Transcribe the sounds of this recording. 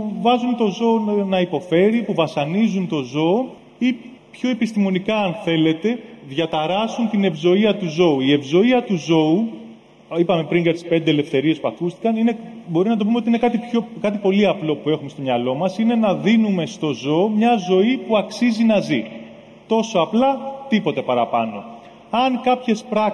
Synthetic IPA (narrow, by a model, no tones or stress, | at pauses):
uvɐzunt̪o̞zo̞ːnɐipo̞fe̞ɾipuvɐsɐnizunt̪o̞zo̞ː | i | pço̞epist̪imo̞nikɐːnθe̞le̞t̪e̞ðʝɐt̪ɐɾɐsunt̪ine̞vzo̞iɐt̪uzo̞uie̞vzo̞iɐt̪uzo̞u | ipɐme̞pɾiŋɡɐt̪ʰi̥spe̞nd̪ele̞fθe̞ɾiespuɐkust̪i̥kɐnine̞bo̞ɾimnɐt̪oumeot̪iine̞kɐt̪ipçokɐt̪̬ipo̞liɐplo̞pue̞xume̞st̪oɲɐlo̞mɐsine̞nɐðinume̞st̪o̞zo̞ːmɲɐzo̞ipuɐksizinɐzi | t̪o̞so̞ɐplɐt̪ipo̞t̪e̞pɐɾɐpɐno̞̰ | ɐŋkɐpçe̞spɾɐ